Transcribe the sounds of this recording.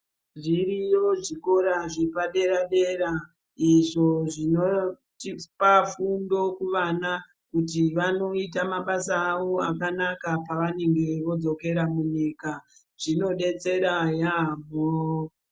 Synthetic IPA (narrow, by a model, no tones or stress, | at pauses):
ʐirijo̞ʐiko̞ɾaʐipaɗe̞ɾaɗe̞ɾa | iʐo̞ʐino | tipafundo̞kuʋana | kutiʋano̞itamaɓasaːʋo̞akanakapaʋane̞ŋɡe̞ʋo̞d͡zo̞ke̞ɾamuɲiːka | ʐ̥ino̞ɗe̞t͡se̞ɾajamo